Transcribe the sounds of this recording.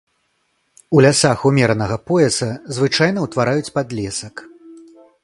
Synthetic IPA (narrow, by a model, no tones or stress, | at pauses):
ulʲasaxumʲɛɾɐnɐɣɐpɔjɛsɐzvɨt͡ʂajn̪ɐwt̪vaɾajut͡sʲpad̪lʲɛsɐk